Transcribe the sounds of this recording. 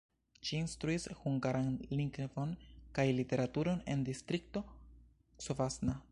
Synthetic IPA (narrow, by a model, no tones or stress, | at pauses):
ʃiːnstɾuishuŋɡaɾanliŋkvonkajlite̞ɾatuɾo̞ne̞̰ndistɾik̚to̞ | sovasna